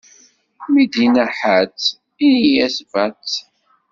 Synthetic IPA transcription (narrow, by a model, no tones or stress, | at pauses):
mid̪inæħət͡sː | inijæsvæt͡sː